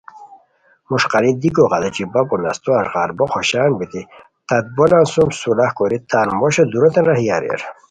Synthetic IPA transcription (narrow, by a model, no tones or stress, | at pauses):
muʂqɑlid̪ikoʁɑd̪ɐt͡ɕibapunast̪oaʂʁaɾboxoɕaːnbit̪i | t̪ɐd̪̚bonansumsulahkoɾit̪aːnmoɕod̪uɾot̪enɾahijaɾḛɾ